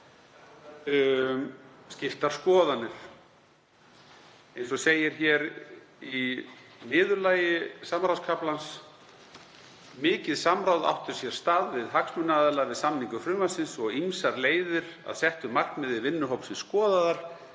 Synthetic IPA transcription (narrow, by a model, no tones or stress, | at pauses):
scɪft̪aɾ̥skɔːðanʏɾ̥ | ejnsɔseːjɪɾ̥çɛɾ | inɪːðʏɾlaːjɪsamɾawskʰaplans | mɪːcɪðsamɾawða̰wht̪ʏɾ̥sjɛɾ̥st̪aːðvɪðɦaksmʏnaːðɛlavɪðsamniŋkʏfɾʏːmasɪnsɔɣimsaɾleːjðʏɾ̥a̰ðsɛht̪ʏmar̥knmɛðɪvɪnːʏɦowpsɪnskɔːðaðaɾ̥